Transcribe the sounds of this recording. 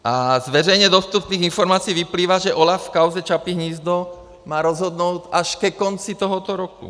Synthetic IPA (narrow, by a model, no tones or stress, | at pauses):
ʔazʋɛɾɛjɲɛd̪ɔst̪upniːɣinfɔɾmaːt͡siːʋipliːʋaʒɛʔɔlafkaʊzɛt͡ʃapiɦɲiːzd̪ɔ | maːɾɔzɦɔd̪nuʊtaʃkɛkɔnt͡sit̪ɔɦɔt̪ɔɾɔkṵ